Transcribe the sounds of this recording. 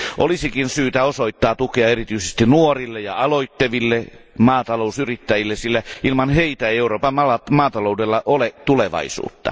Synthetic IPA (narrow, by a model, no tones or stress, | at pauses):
ʔolisikinsyːt̪æosoit̪ːɑːt̪ukeɑerit̪yisest̪inuorilːejɑɑloit̪ːeʋilːemɑːt̪ɑlousyrit̪ːæjilːesilːæʔilmɑnheit̪æeieuroːpɑmɑɑmɑːt̪ɑloˑudelːɑʔolet̪uleʋɑ̰isṵːt̪ːɑ̰